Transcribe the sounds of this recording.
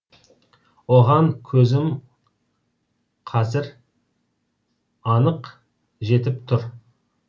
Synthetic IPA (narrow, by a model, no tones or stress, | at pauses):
wo̞ʁɑŋkʲʰɵzɪm | qʰɑzɪɾ | ɑnəq | ʒe̞t̪ɪp̚t̪ʰʊɾ